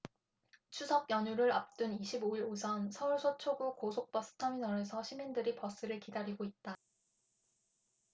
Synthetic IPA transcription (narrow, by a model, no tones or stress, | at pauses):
t͡ɕʰusʰʌkjʌɲuɾɯɾap̚t͈uniɕʰiboiɾosʰʌnsʰʌuɭsʰot͡ɕʰoɡukosʰok̚p͈ʌs͈ʰɯ̥tʰaminʌɾesʰʌɕʰimindɯɾipʌs͈ɯɾɯɭkidaɾiɡoit̚t͈a